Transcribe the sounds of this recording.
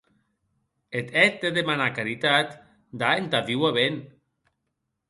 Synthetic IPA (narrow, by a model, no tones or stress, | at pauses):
et̪ɛt̪̚d̪eðemanakaɾit̪at̪ | d̪aent̪aviwaβen